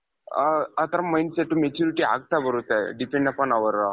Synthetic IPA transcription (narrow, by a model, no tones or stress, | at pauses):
at̪əɾamajnseʈːumet͡ɕuɾiʈia̰ɡ̚t̪abəɾut̪aɖipẽɳɖapanaʋəɾa